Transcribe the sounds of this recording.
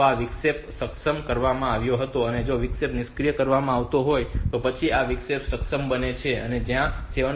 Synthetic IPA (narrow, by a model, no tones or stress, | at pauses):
aʋɪksepsəksəmkəɾʋamãaʋjoɦət̪oəned͡ʒoʋɪksepnɪskɾijəkəɾʋamãaʋt̪oɦojt̪opət͡ʃʰiaʋiksepsəksəmbənet͡ʃʰeə̰ned͡ʒjãseʋə